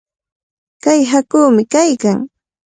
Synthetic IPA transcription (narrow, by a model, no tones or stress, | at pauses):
kajɦakuːmɪkajkaŋ